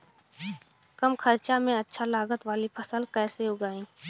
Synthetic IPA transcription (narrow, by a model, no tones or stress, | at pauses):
kəmkʰəɾt͡ʃamẽətːʃʰalaːɡət̪ʋaːlipʰəsəlkɛːseʊɡaːĩː